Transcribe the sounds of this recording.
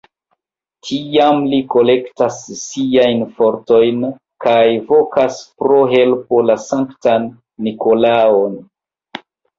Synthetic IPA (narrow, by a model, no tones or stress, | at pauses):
tʰiamliko̞le̞ktasːiajnfo̞ɾto̞jn | kajvo̞kaspɾo̞ɦe̞lpolasaŋktanː | iko̞laon